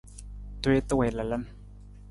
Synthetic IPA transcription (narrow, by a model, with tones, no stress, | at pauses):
t̪we˦t̪ə˦we˨la˨lə˦n